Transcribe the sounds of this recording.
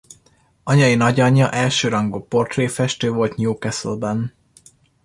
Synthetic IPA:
ɒɲɒjinɒɟɒɲːɒʔɛlʃøːɾɒŋɡoːpo̞rt̪reːfɛʃt̪øːvo̞lt̪ɲuːkɛsṵlbɛn

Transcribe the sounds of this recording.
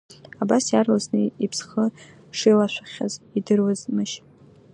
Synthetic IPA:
abasjarlaznɨipʰsχə | ʂilaʃʷaχʲazidɨrwazmɨʃ

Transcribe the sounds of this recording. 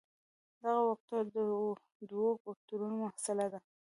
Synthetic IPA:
d̪aɣawaxt̪ad̪ə | d̪wokʊk̚t̪uɾunomahsɪlad̪a

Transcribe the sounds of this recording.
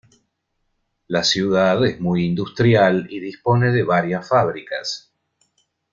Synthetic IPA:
lasjuðaðezmujind̪ust̪ɾjaliðispo̞ne̞ðeβaɾjasfaβɾika̰s

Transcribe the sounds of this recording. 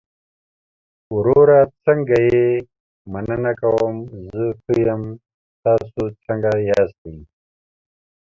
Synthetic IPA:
uɾoːɾat͡sɐŋɡaje | mɐnənakawəmzəkʰujɐm | t̪aːsot͡sɐŋɡajaːst̪ij

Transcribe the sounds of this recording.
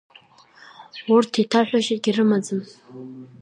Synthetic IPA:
ʊrtʰitʰaħᶣʷaʃat̚ʼɡʲirɨmad͡zɨm

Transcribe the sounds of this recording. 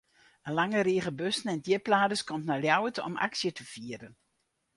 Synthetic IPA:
əlaŋəɾeːɣəbøsən̩ɛndjɪplaːdəskɔmtnaljawətɔ̰mʔa̰ksjətʰəfiəɾən

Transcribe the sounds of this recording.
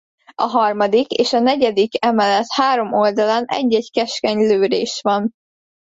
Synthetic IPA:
ɒɦɒrmɒd̪ikḛːʃɒnɛɟɛd̪ikɛmɛlɛt̪haːɾo̞mold̪ɒlaːnʔɛ̰ɟːɛɟkɛʃkɛɲløːɾḛːʃʋɒn

